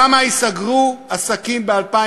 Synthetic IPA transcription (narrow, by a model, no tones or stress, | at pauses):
amaisaɡʁuasakimbealpa